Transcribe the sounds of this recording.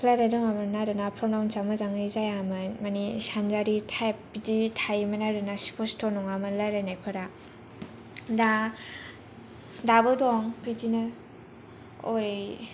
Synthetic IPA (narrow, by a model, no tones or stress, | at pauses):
pʰlaɾajɾɔŋamɯnaɾɯnapʰɾɔmnawnsamɯzaŋejzajamɯnmanisanzaɾitʰajp̚ditʰajmanaɾɯnaspʰɔstʰɔnɔŋamɯnlaɾajnajpʰɯɾa | da | dabɯdɔŋpʰid͡ʒinɯ | ɔ̰ɾej